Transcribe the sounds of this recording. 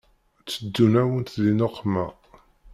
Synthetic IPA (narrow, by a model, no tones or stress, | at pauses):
t͡sːəd̪ːunæwənt̪ðinoqːmæ